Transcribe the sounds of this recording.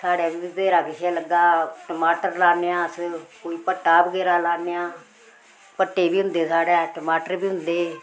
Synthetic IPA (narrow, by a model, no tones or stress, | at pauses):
sʰaːɽaːbiʋəɡeːɾaːkɪʃaːləɡːaːʈəmaːʈəɾlaːneãːəskoːiːpəʈːaːbəɡeːɾaːlaːnejaː | pəʈːeːbiːɦʊ̃nd̪eːsaːɽɛːʈəmaːʈəɾbiːɦʊnd̪eː